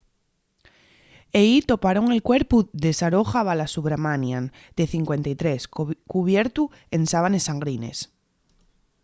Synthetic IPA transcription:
eit̪o̞paɾoŋe̞lkweɾpuðesaɾoxaβalasuβɾamanjãn | d̪̥eθiŋkwe̞nt̪ajt̪ɾeskuβ̞jeɾt̪u | ensaβ̞ane̞sːaŋɡɾinḛs

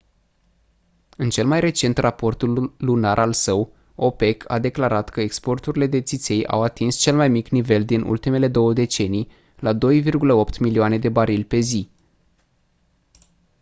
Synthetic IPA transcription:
ɨnt͡ʃe̞lmajre̞t͡ʃe̞nt̪rapo̞rt̪ulːunaɾʔalsəw | o̞pe̞kʰa̰d̪e̞klaɾat̪kəekspo̞rt̪uɾile̞d̪e̞t̪sit̪se̞ja̰wat̪inst͡ʃe̞lmajmiknive̞ld̪inṵlt̪ime̞le̞d̪o̞wəd̪e̞t͡ʃe̞nij | lad̪o̞jvirɡuləo̞pt̪milioane̞d̪e̞baɾilʲpe̞zi

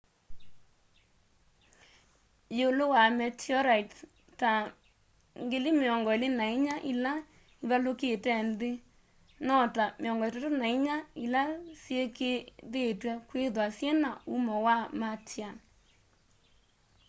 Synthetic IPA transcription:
jolowamɛtjɔɾait | ta | ŋɡelimeɔŋɡɔelenaiɲaʔila | iðaloketɛndɪ | nɔtameɔŋɡɔt̬atonaiɲailasjekeðetwɛkweðwasjenaumɔwamatja

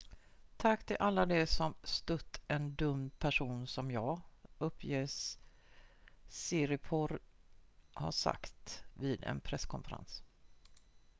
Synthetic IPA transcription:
t̪ʰakːt̪ʰɪlʔalːad̪ɛsɔmst̪ɵt̪ːɛnd̪ɵmːpʰæʂuːnsɔmjɑːɵpʰːjeːs | ɪɾɪpʰɔɾ | ha̰ʂa̰kt̪viːd̪ɛ̰npʰɾɛsːkʰɔnfəɾa̰ns

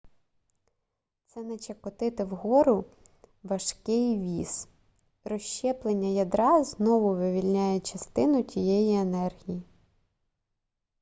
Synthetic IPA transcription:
t̪sɛnɛt͡ʃɐkɔt̪ɪt̪ɪwɦɔɾʊ | ʋɐʃkɪjʋʲis | ɾɔʃt͡ʃɛplˠenʲːɐjɐd̪ɾɑznɔʋʊʋɪʋʲilʲnʲajɛt͡ʃɐst̪ɪnʊtʲijɛjienɛrɦʲiji

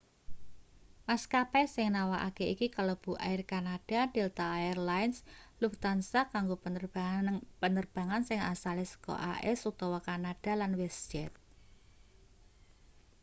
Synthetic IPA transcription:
maskapɛsɪŋnawaʔa̰keikikalɔb̥ṳʔaɪrkanaɖ̥a̤delt̪aːjɛrlaɪnslukt̪ansakaŋɡo | pənərb̥a̤ŋansɪŋasalesə̥kɔ̰ʔa̰ʔɛsuk̚t̪ɔwɔkanaɖ̥a̤lanwɛsd͡ʒɛt̪̚

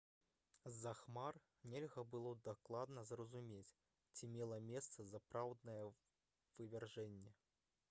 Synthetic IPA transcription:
zaxmar | nʲɛlʲɣɐbɨlˠɔd̪aklˠad̪nɐzrɐzumʲet͡sʲ | t͡sʲimʲɛlˠɐmʲɛst̪sɐzapɾawd̪nɐjɛ | vɨvʲɛrʐɛnʲːɛ

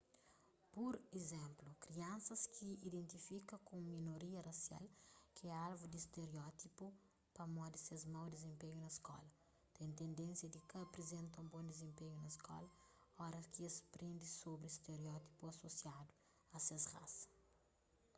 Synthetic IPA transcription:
puɾezɛ̃mplukɾiɐ̃nsɐskʰiid̪ẽnt̪ifikɐkũminoɾiɐrɐsja̰lkiɛalvud̪iːst̪eɾeɔt̪ipu | pɐmɔd̪isezmawd̪izẽmpeɲunɐskɔ̰lɐ | t̪ɛ̃j̃t̪ẽnd̪ẽnsjɐd̪ikɐɐpɾezẽnt̪ɐũbõnd̪izẽmpeɲunɐskɔ̰lɐɔɾɐkiɐspɾẽnd̪isobɾist̪eɾeɔt̪i̥puɐsosjad̪u | ɐsesra̰sɐ̥

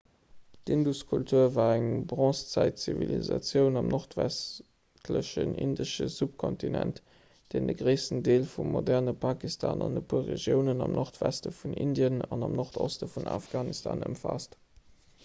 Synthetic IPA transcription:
dinduskʰultʰuɐvaːæŋbʁɑ̃st͡sæɪt̚t͡sivilizɑt͡sjəʊnɑmnʔoʁtvæs | tʰləɕənindəʃəsup̚kʰɔntinænt | d̥eːndəɡʁeɪsən̩deːlfummodɛʁnəpʰakistʰaːnɑndəpʰuɐʁeʒjəʊnənɑmnʔoʁtvæstəfunindjənɑnɑmnoʁtʰostəfunafɡ̥aːnistʰa̰ːnəmfaːst

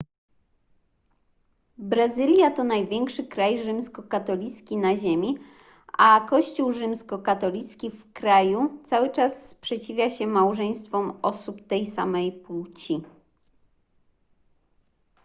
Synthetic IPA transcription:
bɾazɘlʲjat̪ɔnajvʲjɛŋkʂɘkɾajʐɘmskɔkat̪ɔlʲit̪skʲinaʑemʲi | ʔakɔɕt͡ɕuwʐɘmskɔkat̪ɔlʲit̪skʲifkɾajut̪sawɘt͡ʂasːpʂɛt͡ɕivʲjaɕɛmawʐɛj̃st̪fɔmɔsupt̪ɛjsa̰mɛjpuwt͡ɕi

